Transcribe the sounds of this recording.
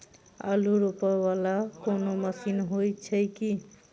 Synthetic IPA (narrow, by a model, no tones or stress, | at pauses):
a̰luɾupəwalakonoməsinɦojt͡ʃʰəjki